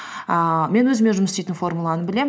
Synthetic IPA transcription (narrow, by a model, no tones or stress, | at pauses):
əme̞nwɵzɪme̞nʒʊməst̪ejt̪ɪnfo̞rmulˠɑnəbɪle̞m